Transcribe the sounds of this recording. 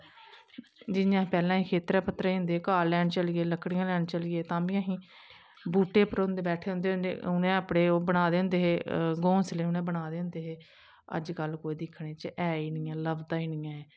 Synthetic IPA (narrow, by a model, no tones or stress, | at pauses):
d͡ʒɪnjãːpɛːlãːɦĩːkʰeːt̪ɾɛːpət̪ːɾeːiʊ̃nd̪eːkaːlɛːɳt͡ʃəliːeːləkɽɪjãːlɛːɳt͡ʃəliːeːt̪ãːbiːə̃ɦĩː | buːʈeːpəɾõnd̪eːbɛːʈʰeːɦʊ̃nd̪eːʊnd̪ḛːʊnẽːəpɽeːoːbəɽaːd̪eːʊ̃nd̪eːɦeːɡõːsleːʊnẽːbəɽaːd̪eːʊ̃nd̪eːɦeː | ə̰d͡ʒkəlkoːiːd̪ɪkʰːɽẽːt͡ʃəʔɛːiːnɪːãːləbd̪aːiːnɪːãːɛː